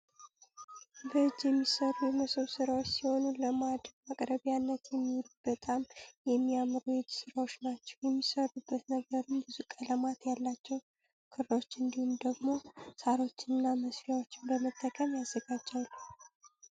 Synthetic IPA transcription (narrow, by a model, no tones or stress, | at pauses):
bəɨd͡ʒːjɛmːisəɾujɛməsəβsɨɾawot͡ʃːsiho̞nuləmad̪əɡmakʼɾəβjanːət̪jɛmːiwlubət̪ʼamjɛmːijamɾujɪd͡ʒsɨɾawo̞t͡ʃːnat͡ʃːɛ̥wjɛmːisərubːət̪nəɡəɾɨmbɨzukʼələmat̪jalːat͡ʃːɛw | kʰɨɾwot͡ʃːɨnd̪ihumd̪əɡmo̞saɾo̞t͡ʃːɪnɨnːaməsfjawo̞t͡ʃːɪnbəmət̪ʼːəkʼəmjazːəɡad͡ʒːalːəw